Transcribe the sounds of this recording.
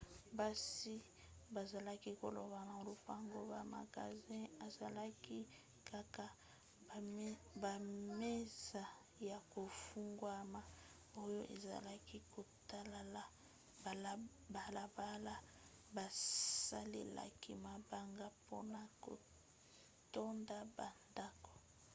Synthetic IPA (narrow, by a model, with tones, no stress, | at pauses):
ba˦si˦ | ba˨za˨la˦ki˦ko˨lo˨βa˨na˨lo˨pa˦˨ŋɡo˦ba˨ma̰˨ɡa̰˨zɛ̃˦a˨za˨la˦ki˦ | kʰa˨ka˨ | ba˨me˦za˨ | ja˨ko˨fu˦ŋɡwa˦ma˨ | o˦jo˦ʔe˨za̰˨la˦ki˦ko˨ta˦la˨la˨ | b | ba˨la˨ba˦la˦ | ba˨sa˦lḛ˨la̰˨ki˦ma˨ba˦ŋɡa˦po˦na˦ko̰˨ | to˦nda˦ba˨nda˦ko̥˨